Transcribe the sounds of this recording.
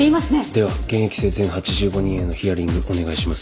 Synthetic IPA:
eimasɨned̪̥e̞βaɡ̥eɰ̃e̞kʲi̥se̞ːzẽ̞ɰ̃hat͡ɕiʑɨːɡo̞ɲ̟ĩe̞nːo̞çʲiaɾʲĩŋɡɯ̟ʔo̞ne̞ɡaiɕimasɨ̥

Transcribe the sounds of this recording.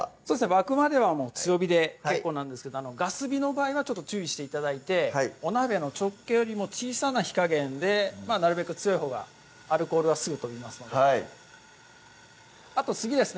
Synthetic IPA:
so̞ːd̪esneβakɯ̟mad̪e̞βamo̞ːt͡sɨjo̞bʲid̪e̞ke̞kkːo̞ːnãnd̪esɨ̥ke̞d̪oano̞ɡasɨbʲino̞baːiβat͡ɕot̪ːo̞t͡ɕɨːiɕi̥t̪eit̪ad̪ait̪e̞o̞nabe̞not͡ɕo̞kːe̞joɾʲimo̞ːt͡ɕiːsanaçi̥kaɡẽ̞nd̪e̞manaɾɯ̟be̞kɯ̟t͡sɨjo̞iɦo̞ːɡa̰ | aɾɯ̟ko̞ːɾɯβasɨɡɯ̟t̪o̞imasɨ̥no̞d̪ | at̪o̞t͡sɨɡʲid̪e̞sɨn

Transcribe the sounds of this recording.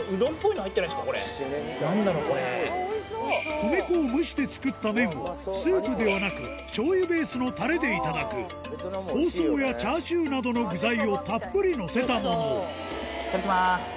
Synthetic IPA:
ɯ̟d̪õ̞mpo̞inihait̪ːenaist̪akoɾḛ | naɾokoɾe | kɯmekoːmɯ̟ɕi̥d̪e̞t͡sɨ̥kɯ̟t̪ːamẽ̞ɰ̃βo̰sɨːpɯ̟d̪e̞βanakɯ̟̰ | t͡ɕo̞ːjɯ̟be̞ːsɨno̞t̪aɾe̞d̪e̞it̪ad̪akɯ̟̰ | ho̞ːso̞ːjat͡ɕaːɕɨːnad̪o̞no̞ɡɯ̟zaio̞t̪apːɯ̟ɾʲino̞se̞t̪amo̞no̞ | kaɾkʲimas

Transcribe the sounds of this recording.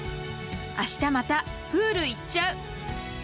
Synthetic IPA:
aɕi̥t̪amat̪apɯːɾɯ̟it͡ɕːaɯ̟

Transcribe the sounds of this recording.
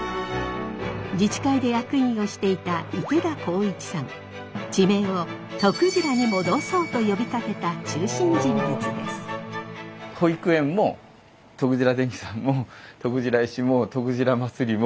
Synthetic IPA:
d͡ʑit͡ɕi̥kaid̪e̞jakɯ̟ĩɰ̃o̞ɕi̥t̪e̞it̪aiked̪ako̞ːikʲi̥sãŋ | d͡ʑime̞ːo̞t̪o̞kɯʑiɾaɲ̟imo̞d̪o̞so̞ːt̪o̞jo̞bʲik̪ak̪e̞t̪at͡ɕɨːɕĩɲd͡ʑĩmbɯt͡sɨd̪e̞̰sɨ̥ | hoikɯẽ̞mːo | t̪o̞kɯ̟ʑiɾad̪ẽ̞ŋkʲi̥sãmːot̪okɯ̟ʑiɾaiɕimot̪o̞kɯ̟ʑiɾamat͡sɨɾʲimo

